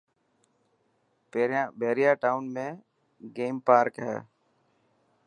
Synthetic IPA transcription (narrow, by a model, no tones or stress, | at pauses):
abeːɾɪjaːʈaːʊnmẽː | ɡeːmpaːɾkɦɛ̰ː